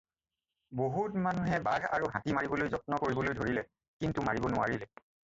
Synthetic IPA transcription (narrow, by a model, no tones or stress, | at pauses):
boɦutmanuɦɛbadʱa̰ɹuɦatimaɹibɔlojzɔt̚nɔkoɹibɔlojdʱoɹilɛ | kintumaɹibɔnʊwa̰ɹilɛ